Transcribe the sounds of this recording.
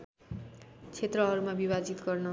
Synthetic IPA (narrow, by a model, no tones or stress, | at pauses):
t͡sʰet̪rʌɦʌɾumabibad͡zit̪ɡʌrnʌ